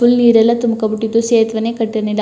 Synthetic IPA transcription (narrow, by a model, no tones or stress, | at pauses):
ʊlniːɾɐlɐt̪ʊmkɐpʊʈːit̪ːuseːt̪ʋɐnekɐʈːɐɾɐnɪl